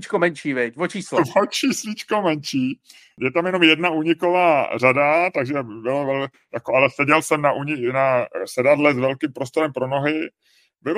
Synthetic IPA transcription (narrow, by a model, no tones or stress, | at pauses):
t͡ʃkomɛnt͡ʃiːvɪcvot͡ʃiːslovot͡ʃiːslɪt͡ʃkomɛnt͡ʃiː | jɛt̪amjɛno̞mjɛdnaʔuːɲɪko̞vaːradat̪aɡʒɛbɪlovɛl | jakoalɛsɛɟɛlsɛmnaʔuːɲɪnasɛdad̪lɛt̪zvɛlkimpɾo̞st̪oɾɛmpɾo̞no̞ɦɪ | bɪl